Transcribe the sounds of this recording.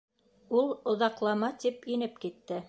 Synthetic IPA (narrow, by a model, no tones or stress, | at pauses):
ulˠŏðɑqlˠɑmɑt̪ipinɘpkit̪ːɘ